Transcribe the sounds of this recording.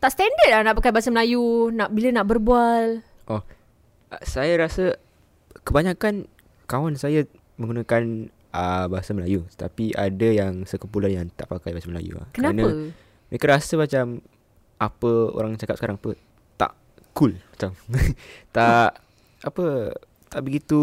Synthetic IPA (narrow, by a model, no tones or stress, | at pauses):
t̪aʔst̪ɛndət̚ahnaʔpakajbasaməlajunaʔbilənaʔbərbual | ʔɔ | sajaɾasə | kəbaɲãkan | kawansaja | mə̃ŋɡunəkan | əbaɦasaməlajut̪ət̪apiʔa̰dəjaŋsəkəmpulanjaŋt̪a̰ʔpakajbasaməla̰jṵa̰hkənaənãə | mekəɾasəmat͡ʃam | apəo̰ɾaŋjt͡ʃakap̚sə̥kaɾaŋt̪u | t̪a̰ʔ | kulmat͡ʃam | t̪aʔ | apə | t̪aʔbəɡit̪u